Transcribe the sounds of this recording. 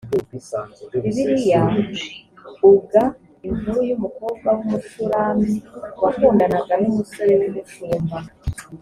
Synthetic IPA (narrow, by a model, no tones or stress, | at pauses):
iβiɾija | uɡa | inuɾujumukuːbɡawumutuɾamiwakuːndanaɡanumuso̞ɾenimut͡ʃuːmba